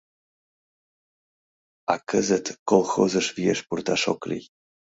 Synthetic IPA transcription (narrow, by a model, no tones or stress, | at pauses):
akəzət̪kolˠxozəʃvieʃpurt̪aʃo̰klʲḭj